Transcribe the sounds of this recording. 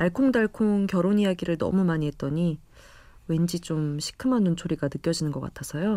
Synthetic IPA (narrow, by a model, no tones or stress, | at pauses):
aɭkʰoŋdaɭkʰoŋkjʌɾonijaɡiɾɯɭnʌ̰mumaɲiɦe̞t̚t͈ʌɲi | we̞nd͡ʑit͡ɕ͈omɕʰi̥kʰɯmanːunt͡ɕʰoɾiɡanɯk͈jʌd͡ʑinɯnɡʌk͈atʰasʰʌjo